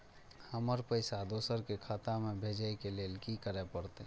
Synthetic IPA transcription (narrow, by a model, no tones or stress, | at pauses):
həməɾpəɪsad̪oːsəɾkekʰat̪amebʱed͡ʒəjkeleːlkikəɾɛpəɾt̪e